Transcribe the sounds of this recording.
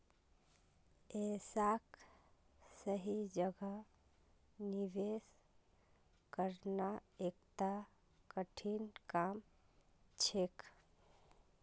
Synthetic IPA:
esak | səɦid͡ʒəɡə | niʋes | kəɾnaek̚t̪a | kəʈʰinkam | t͡ʃʰek

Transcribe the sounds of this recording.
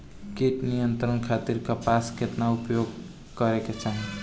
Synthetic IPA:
keʈnijənt̪ɾənkʰat̪iɾkʌpasket̪naupjoɡ̚ | kʌɾeket͡ʃaɦi

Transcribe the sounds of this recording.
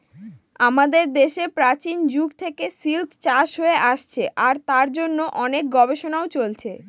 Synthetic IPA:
amad̪eɾd̪eʃepɾat͡ɕind͡ʑuɡt̪ʰekesilt̪t͡ɕaʃɦoeʔaʃt͡ɕʰeʔaɾt̪aɾd͡ʑonːoʔɔnek̚ɡɔbeʃonaot͡ɕolt͡ɕʰe

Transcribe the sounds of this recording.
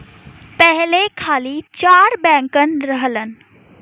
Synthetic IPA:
pɛɦlekʰaːlit͡ʃaːɾbɛ̃ːŋkənɾəɦlən

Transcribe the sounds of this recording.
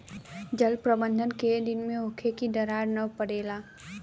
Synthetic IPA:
d͡ʒəlpɾəbə̃nd̪ʱənked̪ɪnmẽɦʊkʰekid̪ɐɾaːɾnɐpəɽeːlaː

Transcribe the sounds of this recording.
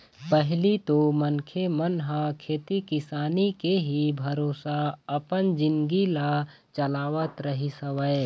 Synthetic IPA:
pəɦlit̪omənkʰemənɦãkʰeːt̪ikɪsaːnikeɦibʱɐɾoːsaɐpənd͡ʒɪ̃nɡila | t͡ʃɐlaːʋət̪ɾəɦisəʋəe

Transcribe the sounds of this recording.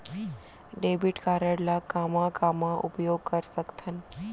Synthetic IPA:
ɖebiʈkaɾəɽlakamãkamãʔṵpjoɡ̚kəɾsəkt̪ʰən

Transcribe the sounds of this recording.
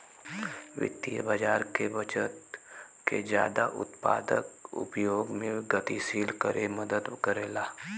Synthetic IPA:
ʋɪ̰t̪ːijə̰bad͡ʒaːɾkebət͡ʃət̪ | ked͡ʒja̰ːd̪aʔʊ̰t̪pa̰ːd̪əkʊ̰pjoːɡmẽɡət̪isiːlkəɾʔeməd̪əd̪ʊkəɾeːlaː

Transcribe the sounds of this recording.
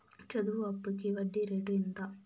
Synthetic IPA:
t͡ʃɐd̪uʋuɐpːukiʋɐɖːiɾeɖuint̪ɐ

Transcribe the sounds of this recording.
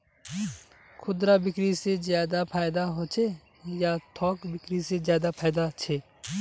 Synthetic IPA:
kʰʊd̪ɾabɪkɾisezjaːd̪apʰaːjd̪aɦoːt͡ʃʰe | jat̪ʰɔːkbɪkɾisezjaːd̪apʰaːd̪at͡ʃʰeː

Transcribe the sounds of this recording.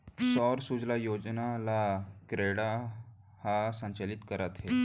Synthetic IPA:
sɔɾsud͡zlajod͡ʑnalakɾeɽa | hasə̃ɲt͡ɕalit̪kəɾat̪ɦe

